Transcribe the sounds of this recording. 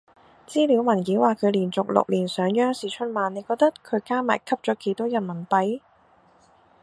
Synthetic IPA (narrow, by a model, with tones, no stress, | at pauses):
t͡siː˥liː˨˧wmɐ˨˩nkiː˨˥waː˨kʰɵ˨˧ɥliː˨˩nt͡sʊ˨k̚lʊ̰˨k̚liː˨˩nsœː˨˧ŋjœː˥ŋsiː˨t͡ʃʰɵ˥t̚maː˨˧nne˨˧jkɔː˧k̚t̪ɐ˥tkʰɵ˨˧ɥkaː˥ma̰ː˨˩jkʰɐ˥p̚t͡ʃɔː˨˥kʰe˨˩jt̪ʰɔː˥jɐ˨˩nmɐ˨˩npɐ˨˥j